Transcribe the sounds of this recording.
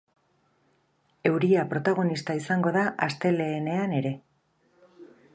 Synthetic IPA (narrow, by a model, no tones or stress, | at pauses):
e̞wɾiapɾo̞t̪aɣ̞o̞nist̪aisaŋɡo̞ðaʔast̪e̞le̞ːne̞ane̞ɾe̞